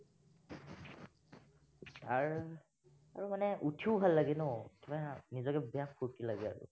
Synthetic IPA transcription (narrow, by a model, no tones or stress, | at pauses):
taɹ | aɹumanɛʔutʰiubʱalːaɡɛnɔtibanizɔkɛbɛjakʰuɹkilaɡɛa̰ɹʊ̰